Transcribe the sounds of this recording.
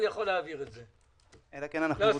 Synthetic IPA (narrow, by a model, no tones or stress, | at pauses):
njaχolːeaviʁetze | elakenanaxlo